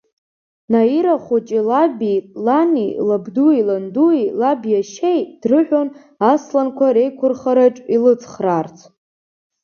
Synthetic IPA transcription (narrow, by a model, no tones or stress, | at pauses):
naiɾaχut͡ʃʼilabilanḭlabduilanduilabjaʃejd̥rɨħᶣon | aslankʷʰaɾe̞jkʷʰʊrχaɾaʈ͡ʂʼilɨt͡sʰχrart͡sʰ